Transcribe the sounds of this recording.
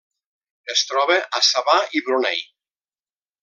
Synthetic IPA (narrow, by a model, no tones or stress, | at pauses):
est̪ɾɔβeʔasaβaiβɾonɛ̰j